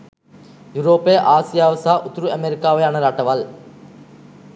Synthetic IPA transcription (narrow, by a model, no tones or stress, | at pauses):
juɾoːpːeːʔaːsijaːʋɐsaːʔʊt̪ːɾuɐmeɾɪkːaːʋɐjɐnɐɾaːʈːɐʋaːl